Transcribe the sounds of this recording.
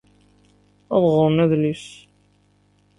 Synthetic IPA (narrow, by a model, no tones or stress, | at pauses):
æðˤʁʊɾˤnæðlis